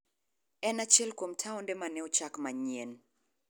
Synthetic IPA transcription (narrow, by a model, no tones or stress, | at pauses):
ɛnat͡ʃɛlkwomtʰaɔndɛmanɛɔt͡ʃakmaɲen